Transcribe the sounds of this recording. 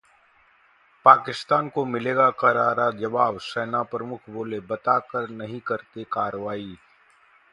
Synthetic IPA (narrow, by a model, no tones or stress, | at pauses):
paːkɪst̪aːnkomɪleːɡakɐɾaːɾad͡ʒɐbaːʋsɛːnapɾəmʊkʰboːlebɐt̪akəɾnɐɦĩkɐɾt̪ekaːɾəʋaːi